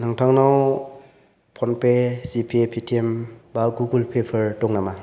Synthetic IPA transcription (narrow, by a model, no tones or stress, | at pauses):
naŋtʰaŋnaw | pʰɔnpesipʰepʰitʰiembaɡuɡulpʰepʰəɾtɔŋnama